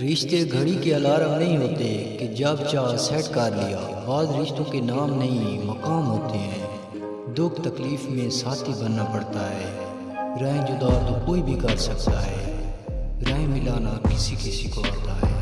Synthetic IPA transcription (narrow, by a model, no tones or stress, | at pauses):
ɾɪʃt̪eɡʱɐɽikeɐlaːɾanɐɦĩɦoːt̪eked͡ʒɐbt͡ʃaːsɛːʈkaɾlɪja̰ː | baːzɾɪʃt̪õkenaːmnɐɦĩmɐkaːmɦoːt̪eɦɛ̃ː | d̪ʊkʰt̪ɐkliːfmẽsaːt̪ʰibɐnːapɐɽt̪aɦɛː | ɾɛ̃ːd͡ʒʊd̪aːt̪okoːibʱikɐɾsɐkt̪a̰ɦɛ̰ː | ɾɛ̃ːẽmɪlaːnakɪsikɪsikoaːt̪aɦɛ̰ː